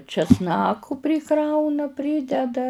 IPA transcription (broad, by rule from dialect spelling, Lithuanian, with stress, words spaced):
t͡ʃʲɛsˈnɑːkʊ pʲrʲɪˈkrɐʊnɐ ˈpʲrʲiːdʲɛdɐ